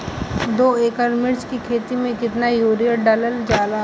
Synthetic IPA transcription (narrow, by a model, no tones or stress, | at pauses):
d̪oːeːkəɾmɪɾt͡ʃkikʰeːt̪imẽkɪt̪najoːɾijəɖɐləld͡ʒaːlaː